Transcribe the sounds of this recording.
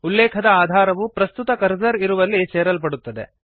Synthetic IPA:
ulːɛːkʰɐd̪ɐaːd̪ʱaːɾɐʋupɾɐst̪ut̪ɐkɐɾd͡ʒɐɾiɾuʋɐlːit͡ʃɛːɾɐlp̬ɐɽut̪ːɐd̪ḛ

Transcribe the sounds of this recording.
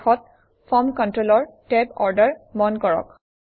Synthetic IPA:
xɔt̚ | fʰɔmkɔntɹolɔɹtɛbɔɹdəɹmɔnkɔɹɔ̰k

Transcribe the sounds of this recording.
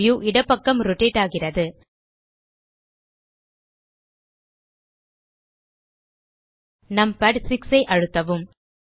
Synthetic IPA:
juːʔɪɽɐpːɐkːɐmɾʊʈeːʈːaːɣɪrɐðɯ | nɐmpɐʈsɪksɐɪʔɐɻɯt̪ːɐʋɯm

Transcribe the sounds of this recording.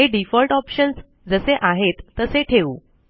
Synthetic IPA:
ɦeɖifɔlʈɔpɕəns | d͡zəseʔaɦet̪ːəseʈʰeuː

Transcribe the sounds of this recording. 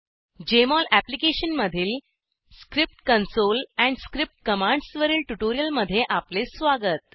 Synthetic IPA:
d͡ʑemɔlæplikeɕənməd̪ʱiːl | skɾip̚ʈkənsolɛ̃ɳɖskɾip̚ʈ̚kəmãɳɖsʋəɾiːlʈuʈoɾijəlməd̪ʱːjeʔaplesʋaɡət̪̚

